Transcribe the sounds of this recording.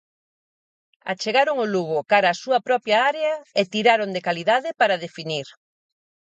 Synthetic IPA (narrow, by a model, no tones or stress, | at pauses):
a̰t͡ʃeɣaɾʊŋʊluɣʊkaɾaːsuɐpɾɔpjɐaɾeɐet̪iɾaɾoŋd̪ekaliðaðɪpaɾɐðefiniɾ